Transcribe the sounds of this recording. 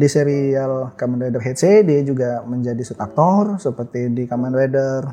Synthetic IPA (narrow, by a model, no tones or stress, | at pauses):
diseɾialkamanɾedərɦet̪̚sediad͡ʒuɡaməɲd͡ʒadisut̪ak̚t̪ɔrsəpərt̪idikamanredər